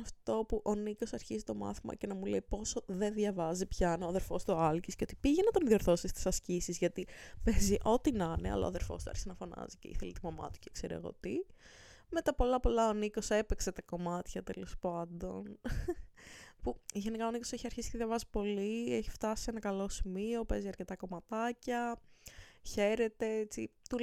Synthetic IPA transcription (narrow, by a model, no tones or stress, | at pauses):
ɐft̪o̞puʔo̞nikosɐɾçizit̪o̞mɐ̰θimɐ̰cenɐmuleipo̞soðe̞nðʝɐvɐzipçɐnoðeɾfo̞st̪oɐlcisceo̞t̪i̥piʝenɐt̪o̞nðioɾθo̞sist̪i̥sɐscisizʝɐt̪ipeziʔo̞t̪inɐneɐ̰lɐ̰o̰ɐðeɾfo̞̰st̪uɐ̰ɾçisɐnɐfo̞nɐ̰zicḛḭθelet̪umɐmɐ̰t̪u̥cekseɾiɐ̰ɣo̞̰t̪i | me̞t̪ɐpo̞lɐpo̞lɐoniko̞se̞pekse̞t̪ɐko̞mɐt̪çɐt̪e̞lo̞spɐnd̪o̞n | puʝe̞nikɐoniko̞seçiɐɾçisi̥t̪eðʝɐvɐzi̥po̞lieçi̥ft̪ɐsienɐkɐlo̞simio̞peziɐɾce̞t̪ɐko̞mɐt̪ɐcɐ | çe̞ɾe̞t̪e̞et͡sit̪u